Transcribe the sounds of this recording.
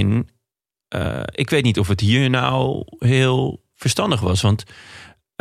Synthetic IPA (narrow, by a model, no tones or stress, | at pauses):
n | ʔɪkʋeːtnitɔfəthiːəna̰wɦɪːəlˠ | fərstɑndəxʋɔsʋɔnt